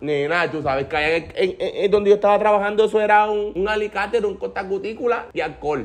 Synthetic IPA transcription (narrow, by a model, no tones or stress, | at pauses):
nenat̪usaβeskajaŋeeŋeed̪ond̪ejoet̪aβat̪ɾaβahand̪oesoeɾauŋuŋalikat̪eɾuŋkot̪akut̪ikulajalkol